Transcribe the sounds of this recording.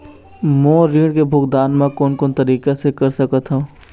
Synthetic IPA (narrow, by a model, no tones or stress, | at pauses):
mõːɾiːɽkebʱʊkd̪aːnmẽkoːnkoːnt̪ɐɾiːkesekɐɾsɐkət̪ɦũː